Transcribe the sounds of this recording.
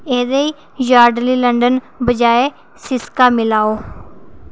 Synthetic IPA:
eːd̪eːiː | d͡ʒaːɾɖliːləɳɖən | bəd͡ʒaːeː | sɪskaːmɪlaːoː

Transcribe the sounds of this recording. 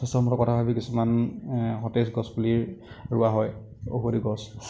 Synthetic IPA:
ɔstɔɔmɔtɔkɔtʰabʱabikisumanxɔtesɡɔspuliɹɹʊaɦɔj | o̰bʱoɾiɡɔs

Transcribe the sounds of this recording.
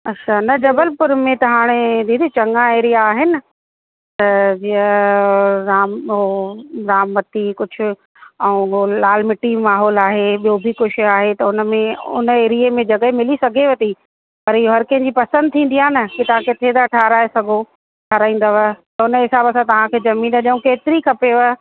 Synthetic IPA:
ɐtːʃʰanɐd͡ʑɐbəlpʊɾmẽt̪ɐɦaːɽ̃ed̪iːd̪it͡ɕɐ̃ŋãeːɾijaːɦɪnɪ̆ | t̪ɐd͡ʑiə | ɾaːmɦoɾaːmːɐt̪ikʊd͡ʑʱʊ̆ | ɛ̃ũɦolaːlmɪʈimaːɦɔːlaːɦeɓijobʱɪkʊʃɪaːɦet̪ɐʊnəmẽʊ̰nəeːɾijemẽd͡ʑɐɠəmɪlisɐɡʱeʋɐt̪i | pɐɾɪoɦɐɾkɐ̃ɦɪ̃ɲd͡ʑiːpɐsə̃nd̪̚t̪ʰĩːn̆d̪ijaːnɐkit̪ɐʋ̤ãkɪt̪ʰed̪aʈʰaːɾaːesɐɡʱo | ʈʰaɾaːĩːnd̪aʋət̪ɐʊnəɦɪsaːbɐsãt̪ɐʋ̤ãkʰeːd͡ʑɐmĩːnd̪aɗũkeːt̪ɪɾikʰɐpeʋə

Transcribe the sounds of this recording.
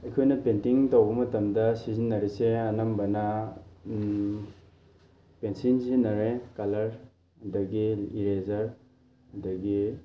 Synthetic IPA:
ɐjkʰojnɐpentiŋtowbɐmɐtɐmdɐsizinːɐɾeseɐnɐmbɐnɐ | pensinsinɐɾekɐlɐɾ | ɐdɐɡiiɾezɐɾ | ɐdɐɡi

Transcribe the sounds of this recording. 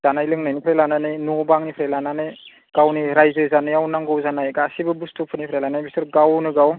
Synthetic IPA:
z̥anajlɯŋnajnipʰɾelananɯjnɔbaŋnipʰɾelananɯj | ɡ̥awniɾajzɯzanɯjawnaŋɡɯwzanajɡasibɯbustʰupʰɯnipʰɾelanajbisɯɾɡawnɯɡaw

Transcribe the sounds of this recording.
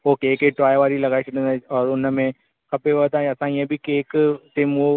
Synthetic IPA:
oːkeeːkeʈɾaːjʋaːɾilɐɡaːit͡ʃʰɐʈẽnaɔːɾʊnmẽ | kɐpeʋəd̪ãɐsãĩẽbʱikeːkʈɪmo

